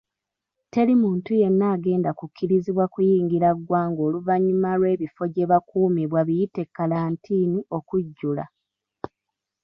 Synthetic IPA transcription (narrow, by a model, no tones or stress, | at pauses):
te̞limuːntuje̞nːaːɡe̞ːndakukʰːiɾiziβwakujiːŋɡiɾaɡwaːŋɡo̞ːluvaɲːumaɾwe̞ːβifo̞ɟe̞βakuːmiβwaβijite̞kːalaːntʰiːnio̞kuɟːula̰